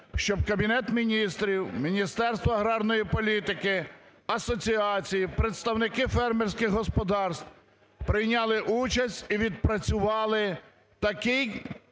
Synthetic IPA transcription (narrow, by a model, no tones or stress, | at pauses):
ʃt͡ʃɔb̚kɐbʲinɛt̪mʲinʲist̪ɾʲiwmʲinʲist̪ɛrst̪ʋɔɐɦɾɑrnɔjipɔlʲit̪ɪkɪ | ɐsɔt͡sʲiɑt͡sʲijipɾet̪st̪ɐwnɪkɪfɛrmerʲsʲkɪɣɦɔspɔd̪ɑrst̪w | pɾɪjnʲɑlˠɪʔut͡ʃɐsʲtʲiʋʲid̪̚pɾɐt͡sʲʊʋɑlˠɪ | t̪ɐkɪj